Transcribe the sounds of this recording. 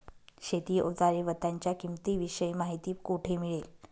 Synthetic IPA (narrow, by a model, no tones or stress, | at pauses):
ɕet̪iːʔod͡zaɾiʋət̪ːaɲt͡ɕjakimt̪iːʋiɕəjmaɦit̪iːkuʈʰemiɭel